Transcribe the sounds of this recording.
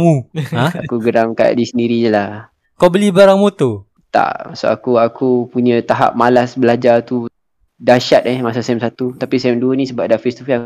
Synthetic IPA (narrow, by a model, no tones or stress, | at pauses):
muãakuɡəɾaŋka̰ʔdisəndiɾid͡ʒəlah | kabəlibaɾaŋmot̪o | t̪a̰ʔma̰ʔsa̰ʔa̰kuakupuɲə̃t̪aɦa̰p̚malasbəlad͡ʒat̪u | daʃat̪̚ɛhmasasɛmsat̪ut̪apisɛmduənĩsəbap̚dafest̪ufi